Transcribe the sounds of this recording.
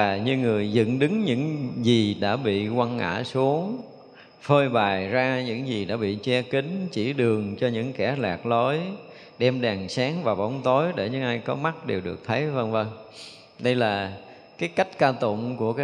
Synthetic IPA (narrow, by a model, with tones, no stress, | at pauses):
aː˨˩ɲɨ˧ŋɨ˨˩əjzɨ̰˧˨nɗɨ˨˦ŋɲɨ̰˧˥ŋzi˨˩ɗa̰ː˧˥ɓḭ˧˨kwa˧nŋa̰ː˧˥su˨˦əŋ | fəː˧jɓaː˨˩jzaː˧ɲɨ̰˧˥ŋzi˨˩ɗa̰ː˧˥ɓḭ˧˨t͡ɕɛ˧kï˨˦ŋ̟t͡ɕi˧˩ɗɨ˨˩əŋt͡ɕɔ˧ɲɨ̰˧˥ŋkɛ˧˩laː˨˩k̚lo˨˦j | ɗɛ˧mɗa˨˩ŋsaː˨˦ŋvaː˨˩ɓɔ˨˦wŋ͡mt̪o˨˦jɗe˧˩ɲɨ̰˧˥ŋʔaː˧jkɔ˨˦ma˦˥t̚ɗe˨˩wɗɨ˨˩ək̚t̪ʰə˨˦jvə˧ŋvə˧ŋ | ɗə˧jlaː˨˩ | kaː˨˦jka˦˥jk̟̚kaː˧t̪ʊ̰˧˨ŋ͡mku˧˩əkː